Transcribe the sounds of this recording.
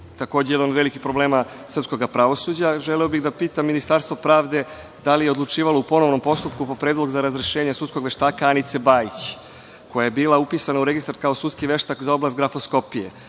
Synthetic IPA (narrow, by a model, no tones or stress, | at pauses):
t̪ako̞ːd͡ʑejed̪anod̪ʋe̞likipɾo̞ble̞ːma | sər̩psko̞ɡapɾaʋo̞sud͡ʑaʒelɛobiɣd̪apiːt̪amːinist̪aɾst̪vʋo̞pɾaːʋd̪e̞ | d̪alijeo̞d̪lˠut͡ʂiːʋaloupo̞no̞ʋno̞mpo̞st̪up̚kupo̞pɾeːd̪lˠo̞ɡzaɾazɾeʃeːɲesut̪sko̞ɡʋeʃt̪aːkaanit̪se̞baːjit͡ɕ | ko̞jajebiːlaupiːsanauɾe̞ɡist̪ɾaɾkaosut̪skiʋe̞ʃt̪akzao̞blast̪ɡɾafo̞sko̞pijḛ